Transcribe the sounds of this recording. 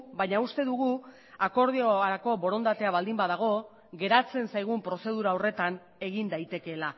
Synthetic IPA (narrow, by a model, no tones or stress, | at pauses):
baɲaust̪e̞ðuɣu | ako̞ɾð̞ioaɾako̞bo̞ɾo̞nd̪at̪e̞aβald̪imbaðaɣ̞o̞ | ɣe̞ɾat͡se̞nsajɣ̞umpɾo̞se̞ð̞uɾaore̞t̪an | e̞ɣind̪ajt̪e̞ke̞la